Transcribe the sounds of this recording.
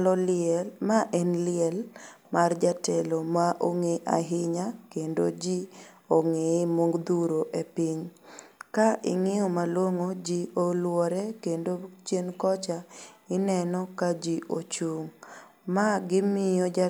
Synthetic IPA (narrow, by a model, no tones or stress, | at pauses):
lɔlɪɛmaʔɛnlɪɛlmard͡ʒatɛlomaʔoŋeʔa̰ɦɪɲakendo̰d͡ʒi | oŋeemoŋɡd̪uɾoʔepiɲkaʔɪ̰ŋɪɔmalwoŋod͡ʒiolwɔɾɛkendot͡ʃjenkɔt͡ʃaɪnɛnɔkad͡ʒiʔot͡ʃuŋ | maɡɪmɪjɔ